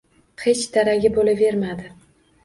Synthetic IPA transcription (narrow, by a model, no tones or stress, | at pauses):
he̞t͡ʃt̪ʰaɾaɡʲɪbolave̞ɾmad̪ɪ